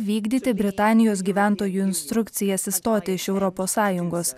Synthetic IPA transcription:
ʋʲiːɡd̪ʲiːt̪ʲɪbʲɾʲɪt̪ɑːnʲɪjoːs̬ɡʲiːʋʲæˑnt̪oːjuːɪnʲst̪ɾʊkt̪sʲɪjɛsɪst̪oːt̪ʲɪɪʃɛʊɾɔpoːsːɑːjʊŋɡoːs

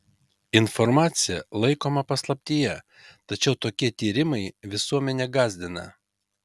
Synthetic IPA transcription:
ɪnfɔɾmɑːt̪sʲɪjɛlˠɐɪkoːmɐpɐslˠɐpʲt̪ʲiːjɛ | t̪ɐt͡ʃʲɛʊt̪oːkʲiɛt̪ʲiːɾʲɪmɐɪʋʲɪsuɔmʲɛnʲɛɡɑːzʲd̪ʲɪnɐ̰

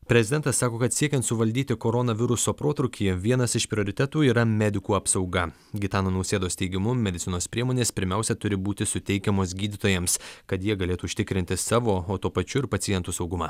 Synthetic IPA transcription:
pʲɾʲɛzʲɪd̪ʲɛnt̪ɐsːɑːkoːkɐt̪sʲiɛkʲɛnt̪sʊʋɐlʲd̪ʲiːt̪ʲɪkoːɾonɐʋʲɪɾʊsoːpɾoːt̪ɾʊkʲʰiːʋʲiɛnɐsɪʃpʲɾʲɪoːɾʲɪt̪ʲɛt̪uːiːɾɐmʲɛd̪ʲɪkuːɐpsɒʊɡɐ | ɡʲɪt̪ɑːnoːnɐʊsʲeːd̪oːst̪ʲɛɪɡʲɪmʊmʲɛd̪ʲɪt̪ʲɪnoːspʲɾʲiɛmoːnʲeːspʲɪɾʲmʲæˑʊsʲɛt̪ʊɾʲɪbuːt̪ʲɪsʊt̪ʲɛɪkʲɛmoːs̬ɡʲiːd̪ʲɪt̪oːjɛmskɐt̪jiɛɡɐlʲeːt̪uːʊʃʲt̪ʲɪkɾʲɪnʲt̪ʲɪsɑːʋoːoːt̪upɐt͡ʃʲʊɪɾpɐt̪sʲɪjɛnt̪usɒʊɡʊmɑ̰ː

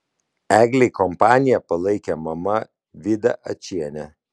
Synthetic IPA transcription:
æːɡlʲɛɪkɔmpɑːnʲɪjɛpɐlˠɐɪkʲɛmɐmɐ | ʋʲɪd̪ɐ̰ʔɐt͡ʃʲiɛnʲɛ

